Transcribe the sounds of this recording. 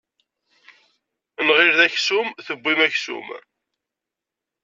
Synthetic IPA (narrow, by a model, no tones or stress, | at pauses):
nʁɪɾðæçsumθəbʷːimæçsṵm